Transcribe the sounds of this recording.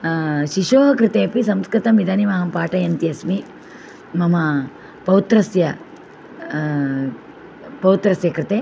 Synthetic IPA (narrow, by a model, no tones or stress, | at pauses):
ʃiʃoːɦɐkɾɪt̪eːɐpisɐmskɾɪt̪ɐmid̪ʱɐːniʋaːɦɐmpaːʈɐjɐnt̪iɐsmi | mɐmɐ | pɐʋwut̪ɾɐsjɐ | pɐʋut̪ɾɐsjɐkɾɪt̪eː